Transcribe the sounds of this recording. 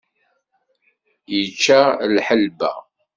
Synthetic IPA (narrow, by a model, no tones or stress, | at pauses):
jət͡ʃːalħəlbæ̰